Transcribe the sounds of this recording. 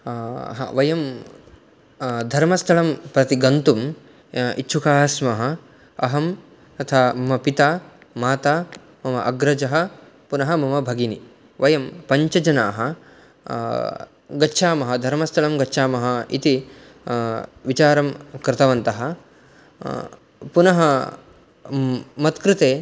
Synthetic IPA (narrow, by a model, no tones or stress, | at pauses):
ɦa̰ːʋɐjɐm | d̪ʱɐɾmɐst̪ʰɐɭɐmpɾɐt̪iɡɐnt̪um | itːʃʰukaːsmɐɦɐ̆ | ɐɦɐm | t̪ɐt̪ʰaːmɐmɐpit̪aːmaːt̪aː | mɐmɐʔɐɡɾɐd͡ʒɐɦɐ̆ | punɐɦɐmɐmɐbʱɐɡini | ʋɐjɐmpɐɲt͡ʃɐd͡ʒɐna̰ːɦɐ | ɡɐtːʃʰaːmɐɦɐd̪ʱɐɾmɐst̪ʰɐlɐmɡɐtːʃʰaːmɐɦɐḭt̪i | ʋit͡ʃaːɾɐmkɾɪt̪ɐʋɐnt̪ɐɦɐ̆ | punɐɦɐ | mɐt̪kɾɪt̪eː